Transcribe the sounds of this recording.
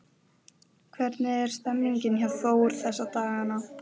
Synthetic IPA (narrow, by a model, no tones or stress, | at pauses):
kʰvɛɾt̪nɪɛɾ̥st̪ɛmniɲcɪnçaθoːwʏɾ̥θɛsːat̪aːɣana